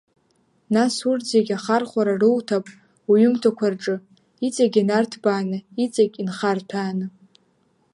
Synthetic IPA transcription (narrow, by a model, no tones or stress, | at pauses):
nasurd͡zeɡʲaχarχʷaɾarɨwtʰapʼ | uɥʏmtʰakʷʰarʈ͡ʂʼɨ | it͡sʼaɡʲinartʰbaːnɨit͡sʼakʲʼinχartʰaːnɨ